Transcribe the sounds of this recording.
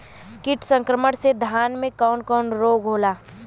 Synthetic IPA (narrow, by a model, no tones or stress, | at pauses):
kɪʈʰsə̃ŋkɾəməɽsed̪ʱjaːnmẽkɔːnkɔːnɾoːɡɦoːlaː